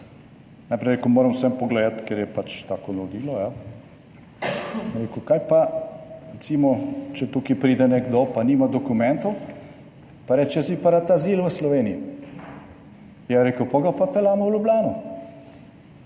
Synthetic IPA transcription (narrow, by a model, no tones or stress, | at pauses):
najpɾeɪɾekʊmoːɾəmwsɛmpɔɡlɛːd̪at̪kɛɾjɛpat͡ʃt̪aːkɔnod̪iːlɔja | ɾeːkukajpaɾɛt̪simɔt͡ʃɛt̪ukipɾiːd̪ɛnɛɡd̪opaniːmad̪ɔkumɛnt̪ɔw | paɾɛːt͡ʃɛsipaɾat̪aziːlʋəslɔʋeːnii | jaɾeːkəwpoɡapapɛlaːmɔwlublaːnu